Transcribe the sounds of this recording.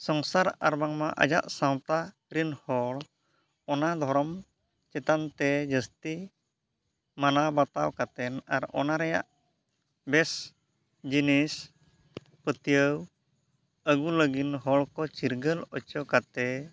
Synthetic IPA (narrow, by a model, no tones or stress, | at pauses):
sɔŋsaɾa̰ɾbaŋmaʔa̰d͡ʒa̰ʔsamt̪a | ɾinhɔl | ɔnad̪ʱɔɾɔm | t͡ʃɛt̪ant̪ɛd͡ʒəst̪i | manabat̪awkat̪ɛna̰ɾɔ̰naɾɛja̰ʔ | bɛs | d͡ʒinis | pət̪ijəw | əɡuləɡinɦɔlkɔt͡ʃiɾɡəlɔt͡ʃɔkat̪ɛ